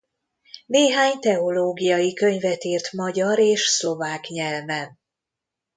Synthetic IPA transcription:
neːɦaːɲt̪ɛo̞loːɡijɒjikø̞ɲvɛt̪iːrt̪mɒɟɒɾeːʃslo̞vaːkɲɛlvɛn

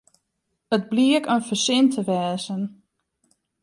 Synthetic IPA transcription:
ət̚bliəkənfəsɪntʰəʋɛːzən

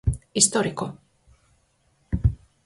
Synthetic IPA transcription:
ist̪oɾiko

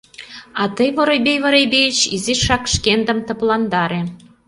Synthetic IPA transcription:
ɑt̪ɤjβŏɾojbejβɤ̆ɾebejt͡ɕiziʃɑkʃkend̪ə̆mt̪ə̆plɑnd̪ɑɾe

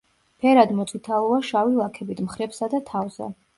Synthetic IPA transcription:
pʰɛɾad̪mɔt̪sʼʰit̪ʰaɔaʃavilˠakʰɛbit̪mχɾɛpsad̪at̪ʰavzɛ̰

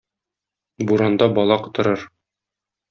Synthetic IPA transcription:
buɾɑnd̪ɑbɒlˠɑqɤ̥̆t̪ɤ̆ɾɤɾ

